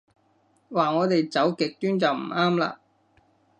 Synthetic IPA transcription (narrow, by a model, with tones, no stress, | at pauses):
waː˨˩ŋɔː˨˧t̪e˨jt͡sɐ˨˥wkɪ˨k̚t̪yː˥nt͡sɐ˨wm̩˨˩aː˥mla̰ː˨